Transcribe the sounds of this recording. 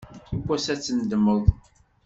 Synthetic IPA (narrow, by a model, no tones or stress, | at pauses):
ikʷːæsæt͡sːənd̪əmːəðˤ